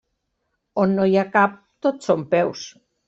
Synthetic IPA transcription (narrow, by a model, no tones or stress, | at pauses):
onːojakap̚t̪ot̪sompɛws